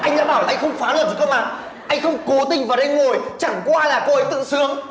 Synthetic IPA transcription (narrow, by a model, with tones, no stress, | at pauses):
ʔa˧jŋɗa̰ː˧˥ɓaː˧˩wlaː˨ʔŋ̟xə˧wŋ͡mfaː˨˦ləː˨˩t̚ɗkʰːwŋ͡mʔaː˨˩ | ʔa˧jŋ̟xə˧wŋ͡mku˨˦t̪ï˧˩ŋ̟vaː˨˩ɗe˧nŋo˨˩jt͡ɕa˧˩ŋkwaː˧laː˨˩ko˧ʔə˨˦jt̪ɨ̰˧˨sɨ˨˦əŋ